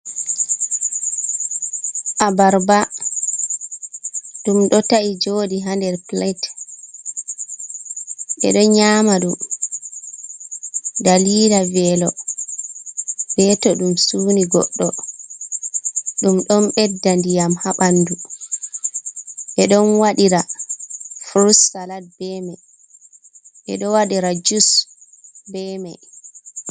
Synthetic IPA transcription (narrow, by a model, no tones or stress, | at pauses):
ʔabaɾba | ɗumɗɔtaʔid͡ʒoːdiɦandɛɾplat | ɓɛ̰ɗɔɲaːmaɗum | daliːɾavɛlɔ | b̥ɛtɔɗumsuːniɡɔ̰ɗːɔ | ɗumɗɔnɓɛdːandijamhaɓanːdu | ɓɛɗɔnwaɗiɾa | fɾusːalat̚bɛmaj | ɓɛ̰ɗɔwaɗiɾad͡ʒus | bɛmaj